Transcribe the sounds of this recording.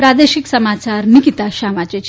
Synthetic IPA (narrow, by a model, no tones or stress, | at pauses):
pɾad̪eɕiksəmat͡ɕaɾnikit̪aɕamat͡ɕet͡ɕ